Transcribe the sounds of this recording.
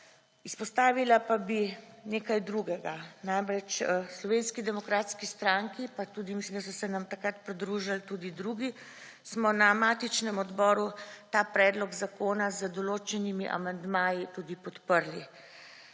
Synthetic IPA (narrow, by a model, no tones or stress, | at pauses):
ispɔst̪aːʋilapabi | neːkajd̪ɾuɡɛɡanamɾɛt͡ʃslɔʋenskid̪ɛmɔkɾaːt̪skist̪ɾaŋkipat̪uːd̪imislimd̪asɔsɛnamt̪akɾat̪pɾid̪ɾuːʒalt̪ud̪id̪ɾuːɡi | smɔnamaːt̪it͡ʃnɛmɔd̪bɔːɾut̪aːpɾɛːd̪lɔɡzakoːnazəd̪ɔloːt͡ʃɛnimiʔa̰mand̪maːjit̪ud̪ipɔt̪pəɾli